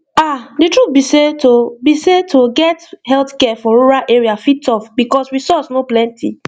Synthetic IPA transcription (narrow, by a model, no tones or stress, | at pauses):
aditɹut̚bisetobisetʰoɡɛthɛltkɛfɔɹoɹalʔeɹiafitɔfbikɔswisɔsnoplɛ̃ntʰḭ